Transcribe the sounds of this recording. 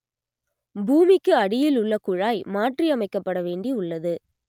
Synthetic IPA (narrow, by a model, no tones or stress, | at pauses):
buːmɪkːɯɐɽɪjɪlʊɭːɐkʊɻaːjmaːʈriɐmɐɪkːɐpːɐɽɐʋeːɳɖiʊɭːɐðɯ